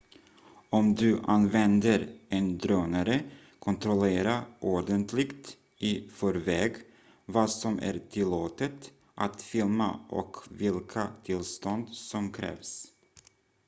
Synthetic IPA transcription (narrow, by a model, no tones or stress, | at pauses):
ɔmd̪ɵʔanvɛnd̪əɾʔɛnd̪ɾøːnaɾə | kʰɔnt̪ɾɔleːɾaʔɔɖənt̪ʰlɪɡt̪ | ɪfɔɾvɛːɡ | vɑːsɔmʔæ̰ɾʈʰɪlːoːt̪ət̪ | ʔat̪fɪlma̰ʔɔ̰kvɪlkʰat̪ʰɪlst̪ɔnd̪sɔmkʰɾɛ̰ːvs